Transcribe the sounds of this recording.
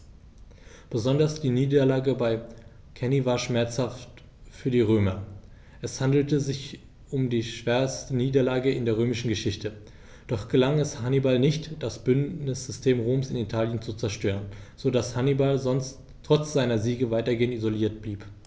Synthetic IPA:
b̥əzɔndɐsd̥iːniːdɐlaːɡəbaɪ | kʰɛnivaːɐʃmɛɐt͡shaft | fyːɐdiːʁøːmɐ | ʔɛshandl̩təzɪç | ʔʊmdiːʃv̥ɛɐstəniːdɐlaːɡəɪndeːɐʁ̞øːmɪʃn̩ɡəʃɪçtə | d̥ɔχɡ̥əlaŋɛshanibalnɪçtd̥asb̥ʏnnɪsz̥ʏstʰeːmʁoːmsɪnitʰaːljənt͡sut͡sɛɐʃtøːʁ̞ənzoːdashanibalzɔnst | tʰːʁ̥ɔt͡sz̥aɪnɐziːɡəvaɪtɐɡeːəntizoliːɐt̚b̥liːp

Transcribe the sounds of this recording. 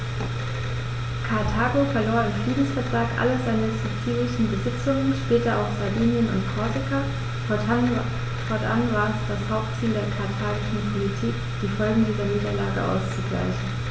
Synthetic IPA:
kʰaɐtʰaːɡofɛɐloːɐɪmfʁ̥iːdn̩sfɛɐtʁ̥aːkʔa̰ləzaɪnəsut͡siːlɪʃn̩bəzɪt͡sʊŋənʃpɛːtɐa̰ʊxz̥adiːnjənʊ̰ntkʰɔɐzɪkʰa | fɔɐ | fɔɐtʔa̰nvaːʁɛsd̥ashaʊp̚tt͡siːldeːɐkʰaɐtʰaːɡɪʃn̩pʰolitʰiːk | d̥iːfɔlɡŋ̩diːzɐniːdɐlaːɡə̰ʔa̰ʊst͡suɡ̥la̰ɪçn̩

